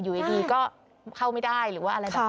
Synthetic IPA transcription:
juː˨˩ʔe˧˩diː˧kɔː˥˩ | kʰa˥˩wma˥˩jda˥˩jɾɯː˩˦waː˥˩ʔa˧ɾa˧jbɛ˨˩

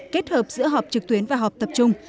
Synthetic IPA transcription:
ke˦˥t̚həː˨˩p̚zɨ̰˧˥əɦɔ˨˩p̚t͡ɕɨ˨k̚t̪wi˨˦ənvaː˨˩ɦɔ˨˩k͡p̚t̪ə˨˩p̚t͡ɕʊ˧ŋ͡m

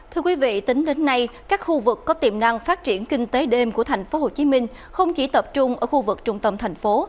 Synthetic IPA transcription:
t̪ʰɨ˧əkwi˨˦vḭ˧˨t̪ï˨˦ŋ̟ɗe˨˦nːa˧jkaː˦˥k̚xu˧vɨ˨˩kːɔ˨˦t̪i˨˩mna˧ŋfaː˦˥t̚t͡ɕi˧˩ənkï˧ŋ̟t̪e˨˦ɗe˧mku˧˩ət̪ʰa˨˩jŋ̟fo˨˦ɦho˨˩t͡ɕi˨˦mï˧ŋ̟ | xə˧wŋ͡mki˧˩t̪ə˨˩p̚t͡ɕʊ˧ŋ͡mʔəː˧˩xu˧vɨ˨˩k̚t͡ɕʊ˨˧˩ŋ͡mt̪ə˧˩mt̪ʰa˨˩jŋ̟fo˨˦

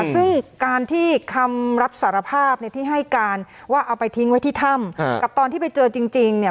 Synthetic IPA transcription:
sɯ˥˩ŋkaː˧nt̪ʰiː˥˩kʰa˧mɾa˦˥p̚saː˩˦ɾa˧pʰaː˥˩p̚na˧˥˧jt̪ʰiː˥˩ɦa˥˩jkaː˧n | waː˥˩ʔa˧wpa˧jt̪ʰi˦˥ŋwa˦˥jt̪ʰiː˥˩t̪ʰa˥˩mkka˨˩p̚t̪ɔː˧nt̪ʰiː˥˩pa˧jt͡ɕɤː˧t͡ɕi˧ŋt͡ɕi˧ŋni˥˩

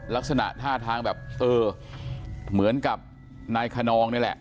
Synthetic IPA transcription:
la˦˥k̚sa˧na̰˨˩ʔt̪ʰaː˥˩t̪ʰaː˧ŋbɛː˨˩p̚ʔɤː˧ | mɯ˩˦ənka˨˩p̚ | naː˧jkʰa˧nɔː˧ŋnɯ˥˩lɛ̰˨˩ʔ

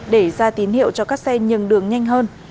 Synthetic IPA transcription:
ɗe˧˩zaː˧t̪i˨˦nhḭ˧˨əwt͡ɕɔ˧kaː˦˥k̚sɛ˧ɲɨ̰˨əŋɗɨ˨˩əŋɲa˧jŋ̟ɦəː˧n

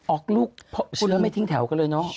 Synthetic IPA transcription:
ʔɔː˨˩k̚luː˥˩k̚pʰɔ˦˧˥u˧laː˧˦˥ma˥˩jt̪ʰi˦ŋt̪ʰɛ˩˦wka˧˩lɤː˧jnɔ˦˥

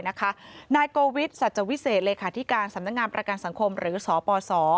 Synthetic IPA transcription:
na˦˥kʰa˦˥naː˧jkoː˧wi˦˥t̪̚sa˨˩t̪̚t͡ɕa˨˧˨wi˦˥seː˨˩t̪̚leː˧kʰaː˨˩t̪ʰi˦˥kaː˧nsa˨˩˦mna˦˥k̚ŋaː˧npɾa˧ka˧nsa˩˦ŋkʰo˧mɾɯː˩˦˥sɔː˩˦pɔː˧sɔː˩˦

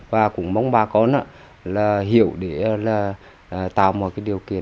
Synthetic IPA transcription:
vaː˨˩kʊ̰˧˥ŋ͡mma˨˧˦wŋ͡mɓaː˨˩kɔ˧nʔaː˧˦ | laː˨˩ɦi˧˨əwɗe˧˩˧laː˨˩˨ | t̪a̰ː˧˨wmɔ̰˨˩kaː˨˦jɗi˨˩əwkḭ˧˨ən

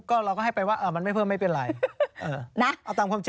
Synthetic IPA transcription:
kɔː˥˩ɾa˧wkɔː˥˩ha˥˩jpa˧jwaː˥˩ʔaː˧˩ma˧nm˥˩jpʰɯ˥˩ma˥˩jpe˧nlaː˨˩˦ʔɤː˧˩na˦˥ʔa˧˩t̪aː˧mkʰwːmt͡ɕi˧

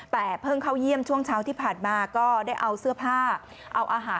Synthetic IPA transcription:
t̪ɛː˨˩pʰɤː˥˩ŋkʰa˥˩wji˥˩əmt͡ɕʰu˥˩əŋt͡ɕʰaː˦˥wt̪ʰiː˥˩pʰaː˨˩nmaː˧kɔː˥˩daː˥˩jʔa˧wsɯ˥˩ɐpʰaː˥˩ | ʔa˧wʔaː˧ɦaː˩˦

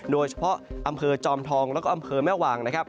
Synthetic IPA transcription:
doː˧jt͡ɕʰa˧pʰɔ˦˥ʔʔa˧mpʰɤː˧t͡ɕɔː˧mt̪ʰɔː˧ŋlɛː˦˥wkɔ˥˩ʔa˧mpʰɤː˧mɛː˥˩waː˧ŋna˦˥kʰa˦˥p̚

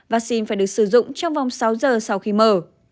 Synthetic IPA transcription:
vaː˨˧˥k̚si˧nfaː˧˩jɗɨ˨˩ək̚sɨ˧˩zʊ̰˧˨ŋ͡mt͡ɕɔ˧wŋ͡mva˨˩wŋ͡msa˨˦wzəː˨˩sa˧wxi˧məː˧˩

